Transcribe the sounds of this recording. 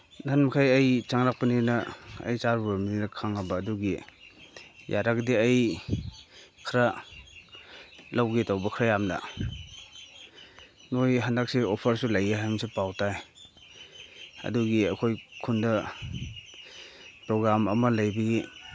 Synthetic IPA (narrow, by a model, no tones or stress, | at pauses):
danmakʰajɐjt͡ʃaŋɾak̚paninɐɐ̰jt͡ʃaɾbɐminiɾakʰaŋabɐːduɡi | jaɾakdiaj | kʰɾa | lawɡitawbɐkʰɾajamnɐ̰ | nojɦandak̚siopʰɐɾsulajaɦajmsipawtaj | ɐ̰duɡiɐkʰojkʰundɐ | pɾoɡɾamɐmɐlajbɐɡi